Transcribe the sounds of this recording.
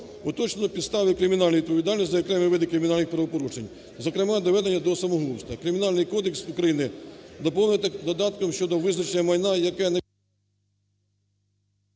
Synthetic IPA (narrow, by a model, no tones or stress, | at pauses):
ʊt̪ɔt͡ʃnenɔpʲid̪st̪ɑʋɪkɾɪmʲinɑlʲnoʋid̪pɔʋʲid̪ɑlʲnʲisʲzɐjɐkɾɛmɪʋɪd̪ɪkɾɪmʲɪnɑlʲnɪxpɾɐʋɔpɔɾuʃenʲ | zɔkɾɪmɑd̪ɔʋɛd̪enʲːɐd̪ɔsɐmɔɦlˠuwst̪ɐkɾɪmʲinɑlʲnɪjkɔd̪eksukɾɐjinɪd̪ɔpɔʊjt̪ɐd̪ɔd̪ɑt̪kɔmʃt͡ʃɔd̪ɔʋɪznɐt͡ʃejʲɐmɐjnɑjɐkɛne